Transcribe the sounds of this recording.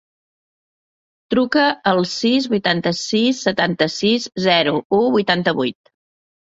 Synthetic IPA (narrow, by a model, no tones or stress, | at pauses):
t̪ɾukəəlˠsizβujt̪ant̪əsisːət̪ant̪əsizzɛɾuuβujt̪ant̪əβujt̪̚